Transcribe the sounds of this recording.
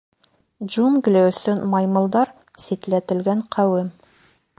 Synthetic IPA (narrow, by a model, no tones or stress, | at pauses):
d͡ʒunɡlewsɘnmɑjmə̆lˠd̪ɑɾ | set̪læt̪ɪ̆lɡʲæɴqʰæwɘm